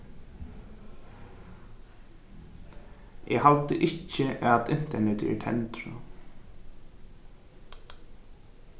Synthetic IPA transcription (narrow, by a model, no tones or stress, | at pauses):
ʔɛ̰ɦalt̪əʔɪcːɪʔaðɪn̥t̪ɛɳɛt̪ɛ̰ʈ̪ʰɛ̰nt̪ɾʊ